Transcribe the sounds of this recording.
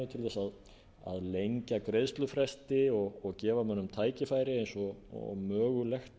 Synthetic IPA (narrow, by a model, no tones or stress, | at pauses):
ɪt̪ʰɪlθɛsað | a̰ðlejɲcakɾejðst̪lʏfɾɛst̪ɪɔɣɔɣcɛːvamœnːʏmt̪ʰaːjcɪfaːjɾɪejnsɔmœːɣʏlɛxt̪